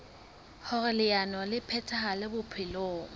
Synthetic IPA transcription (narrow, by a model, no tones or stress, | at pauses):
hʊrɪlɪjanwalɪpʰɛtʰahalɪbʊpʰɪloːŋ̩